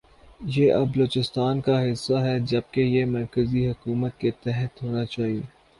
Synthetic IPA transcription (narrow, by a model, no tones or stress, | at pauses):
jeːʔɐbəloːt͡ʃɪst̪aːnkaɦɪsːaɦɛd͡ʒɐb̚kejemɐɾkəziɦɐkuːmət̪̚ket̪ɛɦət̪ɦoːnat͡ʃaːɦieː